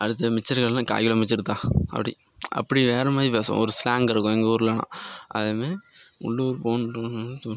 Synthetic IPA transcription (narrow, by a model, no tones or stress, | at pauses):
ɐɽɯt̪ːɐmɪt͡ʃːɐɾɣɐɭlãːka̰ːjɯɭɐmɪt͡ʃːɪɾɯt̪ːãːɐ̰pːɐɽḭ | ɐ̰pːɐɽiʋeːɾɐmaːðɾipeːsõ̰ɔɾɯslaːŋɡɪɾɯkːʊ̃ɛŋɡɐʊɾɯlɐnã̰ːɐ̰ðɐmeːʊ̰ɭːoɾɯpoːn